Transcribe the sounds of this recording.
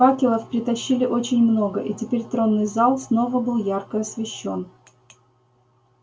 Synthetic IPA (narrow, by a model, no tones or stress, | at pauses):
akʲɪlˠəfpɾʲɪt̪ɐɕːilʲɪʔo̞t͡ɕɪnʲmno̞ɡəʔitʲɪpʲeɾʲt̪ɾo̞nːɨjzɑlˠsno̞vəbɨlˠjarkəɐsvʲɪɕːo̞n